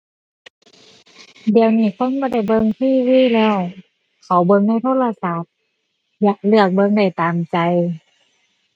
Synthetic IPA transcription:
di˨˩əwniː˧˩kʰo˧˥˨nbɔ˧˦da˧˩jbɤ˧ŋt̪ʰiː˧˩˨wiː˧˥˨lɛː˧˩w | kʰa˨˩wbɤ˧ŋna˧˥˨jt̪ʰoː˧˥˨t̚la˧sa˨˧˩t̚ | ja˧˦ʔlɯ˧˩ək̚bɤ˧ŋda˧˩jt̪aː˨mt͡ɕa˧j

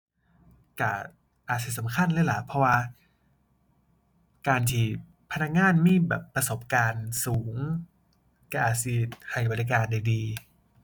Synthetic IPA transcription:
ka˧˩ | ʔaː˨˩t̪̚si˧˩sa˩˦mkʰa˧˥˨nlaː˧˥˩la˨˩pʰɔ˧waː˧ | kaː˧nt̪ʰiː˧˩ | pʰa˧na˧˥k̚ŋaː˧˥˨nmiː˧˥˩bɛ̰ː˨˩pːɾa˧so˨˩p̚kaː˧nsuː˩˦ŋ | ka˧˩ʔaː˨˩t̪̚si˧˩ha˨˩jba˧˩lɾi˧kaː˧nda˧jdiː˧

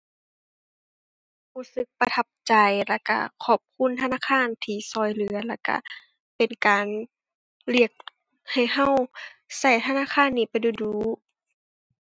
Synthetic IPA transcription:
huː˧˩˨sɯ˧˦˥k̚pa˧t̪ʰa˧p̚t͡ɕa˨jla˧˩ka̰˧˩kʰɔː˧˩p̚kʰu˧˥˨nt̪ʰa˧naː˧˥˨kʰaː˧˥˨nt̪ʰiː˧˩sɔː˧˩jlɯ˧˦ɐla˧˩ka̰˧˨ | pe˨nkaː˨n | li˧˩ək̚ | ha˨˩jɦa˧˨wsa˧˩jt̪ʰa˧naː˧˥˨kʰaː˧˥˨nːiː˧˩pa˨jduː˧˩duː˨˧˦

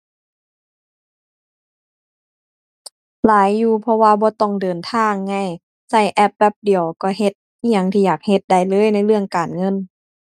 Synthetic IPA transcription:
laː˨˦jːuː˧˩pʰɔ˧waː˧bɔː˧˦t̪ɔ˧˩ŋdɤː˨˩nt̪ʰaː˧˥˨ŋːa˧˩j | sa˧˩jʔɛ˧p̚ːɛ˧˥p̚di˨˩əwkɔː˧˩ɦe˧t̪̚ | i˧a˧˩ŋt̪ʰiː˧jaː˨˩k̚he˧t̪̚da˧˩jlɤː˧˥˨jna˧˥˩jlɯ˧˩əŋkaː˨˩nŋɤ˧˥˨n

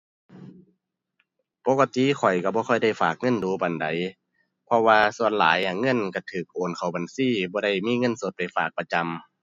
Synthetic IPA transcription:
po˧˦ka˧t̪i˧˨kʰɔ˨˩jka˧˩bɔː˧˦kʰɔ˧˩jda˧˩jfaː˨˩k̚ŋɤ˧˥˨nduː˨˦ba˨nda˨˦j | pʰɔ˧waː˧su˧˨ənlaː˨˦ja˧˨ŋɤ˧˥˨nka˧˩t̪ʰɯː˨˩k̚ʔoː˨˩nkʰa˨˩wba˨nsiː˧˥˨bɔː˧˦da˧˩jmiː˧˥˨ŋɤ˧˥˨nso˧˦t̪̚pa˨jfaː˨˩k̚pa˧t͡ɕa˧˨m

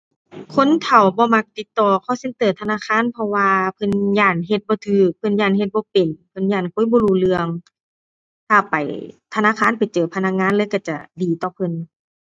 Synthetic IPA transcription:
kʰo˧˥˨nt̪ʰa˨˩wbɔː˧˦ma˧k̚t̪i˧t̪ːɔː˧˩kʰa˧˩se˧˦nt̪ɤː˨˩t̪ʰa˧naː˧˥˨kʰaː˧˥˨npʰɔ˧waː˧pʰɤ˧˨njaː˧˩nɦe˧t̪̚bɔː˧˦t̪ʰɯː˧˩pʰɤ˧˨njaː˧˩˨nɦe˧t̪̚bɔː˧˦pe˨˩npʰɤ˧˥˨njaː˧˩nkʰu˧˥˨bɔː˧˦luː˧˩lɯ˧əŋ | t̪ʰaː˧˩pa˨jt̪ʰa˧naː˧˥˨kʰaː˧˥˨npa˨jt͡ɕɤː˨˩pʰa˧na˧˥k̚ŋaː˧˥˨nlɤː˧˥˨jka˧˩t͡ɕa˧˩diː˨˩t̪ɔː˧˩pʰɤ˧˨n

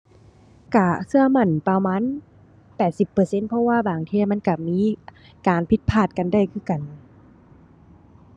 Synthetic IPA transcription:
kaː˧˩sɯ˧ɐma˧˩˨npa˧maː˧˥˨n | pɛː˨˩t̪̚si˨˧˩pːɤː˨˩se˧˥npʰɔ˧waː˧˨baː˨˩ŋt̪ʰeː˧˩˨ma˧˥˨nka˧˩miː˧˥˨ | kaː˨npʰi˧˥t̪̚pʰaː˧˩t̪̚ka˨nda˧˩jkʰɯ˧˥˩ka˨n

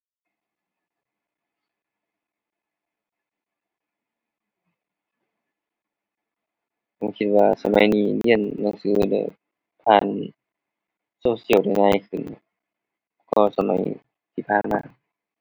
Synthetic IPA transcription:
pa˧˩˨kʰi˧t̪̚waː˧sa̰˧ma˧˦jniː˧˩li˧˨ənːa˧˨ŋsɯː˧˥˩lɛ̰˧˦ | p̪ʰaː˧˩˨n | soː˧si˧˩ə˨wda˧˩jnaː˧˨jkʰɯ˧˩n˧˩ | kɔː˧˩sa˧ma̰˨˦j | t̪ʰiː˧˩pʰaː˧˩˨nma̰ː˧˦

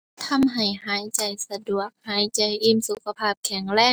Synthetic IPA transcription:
t̪ʰa˧˥mɦa˨˩jɦaː˨˩˦jt͡ɕa˨˩jsa˧du˨˩ək̚haː˨˦jt͡ɕa˨˧˩jʔi˧˥˨msu˨˧˦kʰːa˧pʰaː˧˩p̚kʰɛ˧˩ŋɾɛː˧˥˩

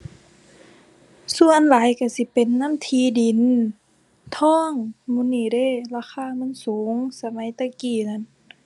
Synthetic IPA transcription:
su˧˨ənlaː˨˦jka˧˩si˧˦pe˨nːa˧˥˨mt̪ʰiː˧˦di˨˦n | t̪ʰɔː˧˥˨ŋmuː˧˨niː˧˩˨de˧˥˨laː˧˥˨xaː˧˥˨ma˧˥˨nsuː˨˦ŋsa˧ma˨˦jt̪a˧˩kiː˧˩na˧˥˨n

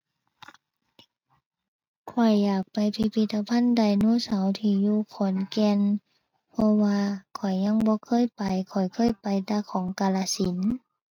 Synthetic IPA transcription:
kʰɔ˨˩jːaː˨˩k̚pa˨˩jpʰi˧pʰi˧t̪ːa˧pʰa˧˥˨nda˨˩jnuː˧˥˨sa˨˦wt̪ʰiː˧˩juː˧kʰɔː˨˦nkɛː˧˨n | pʰɔ˧waː˧kʰɔ˨˩jɲa˧˥˨ŋbɔː˧˦kʰɤː˧˥˨jpa˨jkʰɔ˨˩jkʰɤː˧˥˨jpa˨jt̪aː˧kʰɔː˨˦ŋkaː˧laː˧si˨˦n

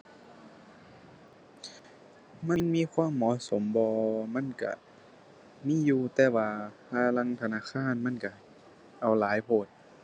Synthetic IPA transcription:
ma˧˥˨nmiː˧˥˨kʰwaː˧˥˨mːɔː˧˥˨so˨˦mbɔː˧ma˧˥˨nka̰˧˩ | miː˧˥˨juː˧t̪ɛː˧˩waː˧pʰaː˧˩la˧˨ŋt̪ʰa˧naː˧˥˨kʰaː˧˥˨nma˧˥˨nka˧˩ | ʔa˨˩wlaː˨˦jpʰoː˧˩t̪̚

